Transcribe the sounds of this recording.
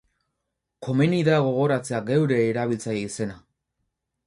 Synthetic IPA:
ko̞miniðaɣo̞ɣ̞o̞ɾat͡se̞aɡewɾe̞ːɾaβ̞ilt͡sajeise̞na

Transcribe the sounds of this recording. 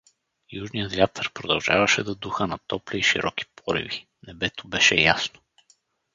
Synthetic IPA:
juʒnijət̪vʲjat̪ʰəɾpɾod̪ɐlˠʒavɐʃɛd̪ɐd̪uxənɐt̪ɔpliːʃiɾʔɔki̥pɔɾḭvi | nɛbɛt̪obɛʃɛ̰jasno̥

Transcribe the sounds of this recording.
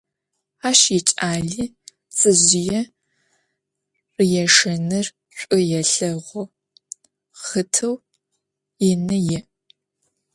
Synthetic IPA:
aːʃjit͡ʃʼaːɮiː | t͡sʼɨʑɪjɛ | rɨjɛʂɐnɨr | ɕʷʼʊjɛɬɐʁʷɔ | χətʰɐw | ɪnɨjɛ

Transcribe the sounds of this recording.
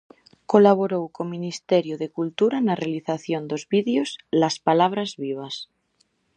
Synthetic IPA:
kolaβ̞oɾowkominist̪eɾjoðekult̪uɾanarealiθaθjond̪ozβiðeoslaspalaβ̞ɾazβiβ̞as

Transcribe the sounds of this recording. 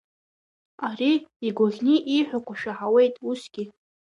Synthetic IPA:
ariːɡʷoɣʲniʔiħʷᶣakʷʰaʃaħawe̞jtʼusɡ̥ʲi

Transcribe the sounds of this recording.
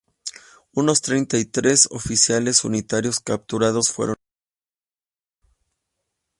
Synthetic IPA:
uno̞st̪ɾejnt̪ait̪ɾe̞so̰fisjale̞sṵnit̪aɾjo̞skap̚t̪uɾað̞o̞sfweɾo

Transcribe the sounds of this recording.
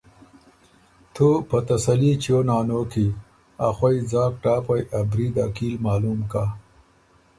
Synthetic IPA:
t̪ʰopət̪ɐsɐlit͡ʃonɑːnoːki | axwajd͡zɑːkʈɑːpajʔabɾid̪akilmɑːlumka

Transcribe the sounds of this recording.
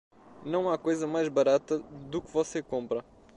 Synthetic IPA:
nɐ̃w̃akojzɐmajʒβɐɾat̪ɐðukvɔsekõmpɾɐ

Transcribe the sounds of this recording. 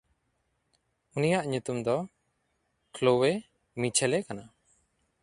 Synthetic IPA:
unijaʔɲut̪umd̪ɔ | klowe | mit͡ʃʰɛlɛkana

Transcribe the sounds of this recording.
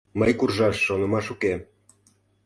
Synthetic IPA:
məjkurʒɑʃːonə̆mɑʃuke

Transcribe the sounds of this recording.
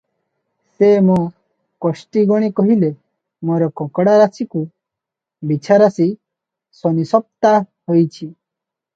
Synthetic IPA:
semɔ | kɔsʈiɡɔɽ̃ikɔɦile | mɔɾɔkɔ̃kɽaɾasiku | bit͡ʃʰaɾasi | sɔnisɔp̚t̪a | hɔjt͡ʃʰi

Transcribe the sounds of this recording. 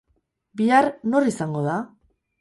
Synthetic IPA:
biarno̞risaŋɡo̞ða

